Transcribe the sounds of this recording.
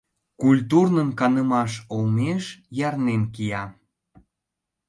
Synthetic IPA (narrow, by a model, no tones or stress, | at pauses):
kulʲt̪urnənkɑnəmɑʃolmeʃjɑrnenkijɑ